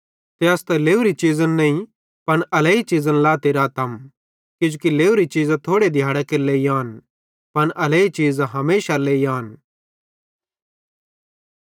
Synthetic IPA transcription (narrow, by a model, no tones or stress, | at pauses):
t̪eɐst̪ɛleːuɾit͡ʃiːzənnɐĩ | pɐnʔɐleːit͡ʃiːzənlaːt̪eːɾat̪ʰɐm | kjʊ̃d͡ʒukileːuɾit͡ʃiːzãt̪ʰoːɽed̪ʱjaːɽakeɾleːijãːn | pɐnʔɐleːit͡ʃiːzɦɐmeːʃaleːiãːn